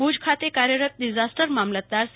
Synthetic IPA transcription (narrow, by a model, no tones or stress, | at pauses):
bud͡zkʰat̪ekaɾjəɾət̪̚ɖid͡ʑasʈəɾmamlət̪ːaɾs